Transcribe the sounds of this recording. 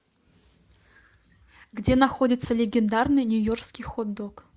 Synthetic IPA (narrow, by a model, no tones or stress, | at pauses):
ɡdʲenaxodʲɪt̪sːəlʲeɡʲend̪arnɨjnʲujorkskʲijxod̪ok